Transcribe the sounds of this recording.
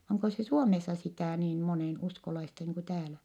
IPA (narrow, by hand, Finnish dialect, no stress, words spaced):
oŋko se suomesːɑ sitæˑ niːn moneˑnuskolɑistɑ niːŋ ku tæːlæ